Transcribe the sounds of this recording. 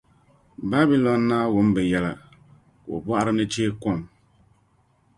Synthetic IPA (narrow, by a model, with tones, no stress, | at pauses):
ba˦bi˨˦lɔ˨nːaː˦wʊ˦m˦bɨ˨jɛ˨la̰˨ | ko̰˨bwa˦ʔa˦ɾɨ˦nɨ˦t͡ʃeː˦kɔ˦˨m